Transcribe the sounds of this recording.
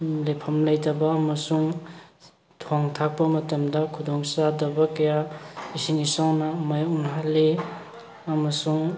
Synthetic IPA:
lepʰɐmlɐjtɐbɐːmɐsuŋ | tʰoŋtʰak̚pɐmɐtɐmdɐkʰudɔŋsadɐbɐkɐjaisiŋisawnɐmajunɦalːe | ɐmɐsuŋ

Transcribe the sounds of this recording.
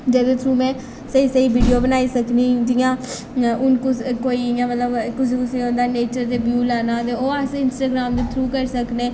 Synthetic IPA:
d͡ʒeːd̪õːt̪ʰɾuːmɛ̃ː | səiːsəiːbiːɖijoːbənaːiːsəkniːd̪ɪjãː | ʔʊnkkoːiːjãːmət̪ləbkʊs̬ĩːkʊseːõnd̪aːneːt͡ʃəɾt̪eːbjuːlaːnãːt̪eːoːəsɪnsʈaːɡɾaːmd̪eːt̪ʰɾuːkəɾsəkneː

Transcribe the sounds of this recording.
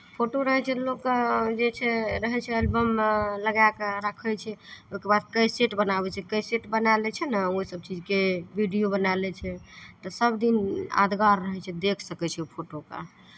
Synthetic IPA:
pʰoʈoɾəɦɛt͡ʃʰɛlokd͡ʒet͡ʃʰɛɾəɦɛt͡ʃʰɛelbəmləɡakɾəkʰət͡ʃʰɛoɦikebad̪̚kəjseʈbənabɛt͡ʃʰɛkəjseʈbənalɛt͡ʃʰɛnəoɦisəb̚t͡ʃid͡ʒkebiɖijobənalɛt͡ʃʰɛt̪ɔsəbd̪ina̰d̪ɡaɾːəɦɛt͡ʃʰɛd̪ekʰsəkɛt͡ʃʰɛpʰoʈoka̰

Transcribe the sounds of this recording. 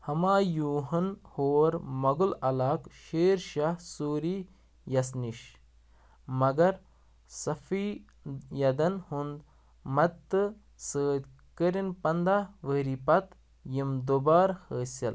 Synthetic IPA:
hɐmaːjuːɦɐnhoːɾmɐɡulɐlaːkʃeːɾʃahsuːɾiː | jɐsniʃ | mɐɡɐɾ | sɐfiː | jɐd̪ɐnhund̪ | mɐɨ | səːd̪ | kəɾinpɐnd̪aːʋəːɾipɐt̪ | jimd̪obaːɾhəːsɐ̰l

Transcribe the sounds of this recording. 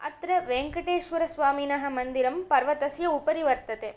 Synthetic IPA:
ɐ̰t̪ɾɐʋeːŋkɐʈeːʃʋɐɾɐsʋaːminɐɦɐ̆mɐnd̪iɾɐmpɐɾʋɐt̪ɐsjɐupɐɾiʋɐɾt̪ɐt̪e

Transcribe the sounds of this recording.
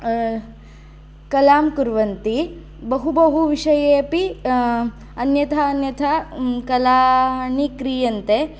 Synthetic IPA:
kɐlaːmkuɾʋɐnt̪i | bɐɦubɐɦuʋiʂɐjeːɐpi | ɐnjɐt̪ʰaɐnjɐt̪ʰakɐlaːnikɾijɐnt̪e

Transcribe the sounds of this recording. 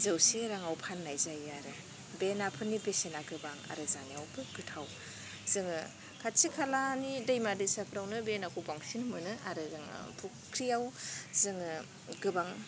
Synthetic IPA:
zɯwseɾaŋawpʰanːajzajaɾɯ | benapʰɯnːibesenaɡɯbaŋa̰ɾɯzaniawbɯɡɯtʰaw | z̥ɯŋɯ | kʰasikʰalanidajmadɯjsapʰɾawnɯbenakʰubaŋsinmɯnɯaɾɯɾaŋ̰pʰu | kʰɾijawzɯŋɯ | ɡɯbaŋ

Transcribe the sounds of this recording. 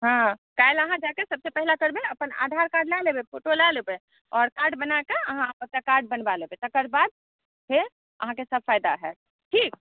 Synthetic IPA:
ɦãkajeləɦãd͡ʒakesəb̚sepɛɦlakəɾbeəpəna̰d̪ʱaɾkaɾɖlalebepʰoʈolalebe | ɔːɾkaɾɖbənakeəɦãpət̪akaɾɖ̚bənbalebet̪əkəɾbad̪̚ | pʰeɾ | ʔə̰ɦãkesəb̚ʱfajd̪aɦɛ̰ | ʈʰiːk

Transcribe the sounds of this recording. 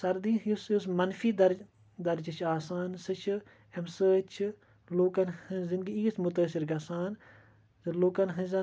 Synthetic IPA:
sɐɾd̪iːɦjusus̬mɐnfiːd̪ɐɾ | d̪ɐɾd͡ʒɐt͡ʃʰaːsaːnsɨt͡ʃʰɨ | emsəːt͡ʃʰɨ | loːkɐnhɨ̃zind̪ɡiiːsmʊt̪əːsiɾɡɐsaːn | zloːkɐnɦɐ̃zɐ

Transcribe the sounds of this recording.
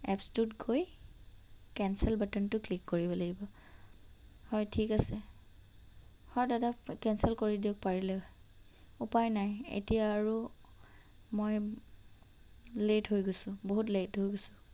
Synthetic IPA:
ɛ̰pstutkʰoj | kɛnsɛlbatɛntʊklikːoɹibɔlaɡibɔ | hɔjtʰikasɛ | hɔjdadakɛnsɛlkoɹidiɔk̚paɹilɛ | upajnajḛtijaːɹu | moj | letɦojɡosʊboɦutletɦojɡosʊ̥

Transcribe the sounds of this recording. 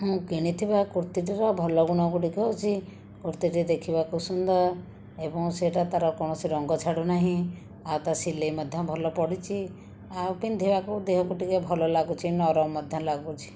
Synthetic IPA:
ɦũkiɽ̃it̪ʰibakuɾt̪iʈ̬iɾɔbʱɔlɔɡuɽ̃ɔkuʈikut͡ʃʰi | kuɾt̪iʈid̪ekʰibakusund̪ɔɾ | ebɔŋseʈat̪aɾɔkɔɽ̃ɔsiɾɔŋɡɔt͡ʃʰaɽonaɦĩ | awt̪asilemɔd̪ʱjɔbʱɔlɔpɔɽit͡ʃʰi | apind̪ʱebakud̪eɦɔkuʈikebʱɔlɔlaɡut͡ʃʰinɔɾɔmɔd̪ʱjɔlaɡut͡ʃʰi̥

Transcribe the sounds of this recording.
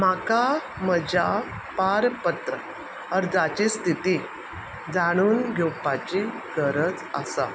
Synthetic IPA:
maka | məd͡ʑa | paɾpət̪ɾə | əɾd͡zat͡ɕiːst̪ʰit̪i | d͡zaɽ̃uːnɡʱɛwpat͡ɕi | ɡəɾət͡sa̰sa̰

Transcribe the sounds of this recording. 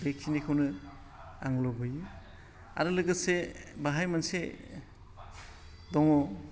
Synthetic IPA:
bek̚sinikʰawnɯ | a̰ŋlɔbɯji | a̰ɾɯlɯɡɯsebaɦajmanse | dɔŋɔ

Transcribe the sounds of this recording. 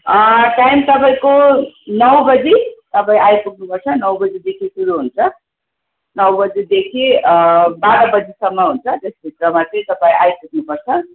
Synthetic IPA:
ʈajmt̪ʌpaĩkonʌwbʌd͡zit̪ʌpaĩajpukʰnupʌrt͡sʰʌnʌwbʌd͡zid̪ekʰisuɾuɦunt͡sʰʌ | nʌwbʌd͡zid̪ekʰi | baɾʌbʌd͡zisʌmːʌɦunt͡sʰʌt̪esbʱit̪rʌmat̪ʌ̃t̪ʌpaĩʔajpuk̚nupʌrt͡sʰʌ

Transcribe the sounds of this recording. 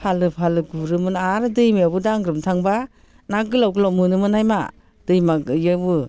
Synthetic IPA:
pʰalɯpʰalɯɡuɾɯmɯnaɾɯdɯjmabɯdaŋɡɾɯmtʰaŋba | naɡɯlawɡɯlɔmɯnɯmɯnajma̰ | d̥ɯjmaɡjabɯ

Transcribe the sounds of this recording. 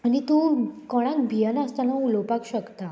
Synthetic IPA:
añit̪ukɔɽ̃akbʱijənəst̪anaulɔwpakɕəkt̪a

